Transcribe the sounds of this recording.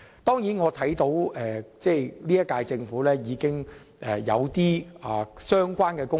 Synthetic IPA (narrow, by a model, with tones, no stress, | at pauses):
t̪ɔː˥ŋjiː˨˥nŋɔː˨˧t̪ʰɐ˨˥jt̪o˨˥wɛː˨t͡sɛː˥˧˩liː˥jɐ˥kaː˧jt͡sɪ˧ŋfuː˨˥lɛː˥jiː˨˧kɪ˥ŋ | ʔɛː˨˩jɐ̰˨˧wt̪iː˥aː˨˩sœː˥ŋkʷaː˥nkɛː˧kʊ˥